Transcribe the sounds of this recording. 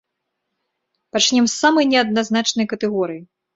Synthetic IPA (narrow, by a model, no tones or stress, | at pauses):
pat͡ʂnʲɛmsːamɐjnʲɛɐd̪naznat͡ʂnɐjkɐt̪ɛɣɔɾɨji